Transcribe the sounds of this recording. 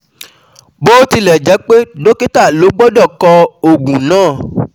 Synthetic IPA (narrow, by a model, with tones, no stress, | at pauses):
bo˦ti˧lɛ˨d͡ʒɛ˨˦k͡pe˦do˦ke˦ta˦˨lo˨˦ɡ͡bɔ˦dɔ˦˨kɔ˧o˨ɡũ˨nãː˦˨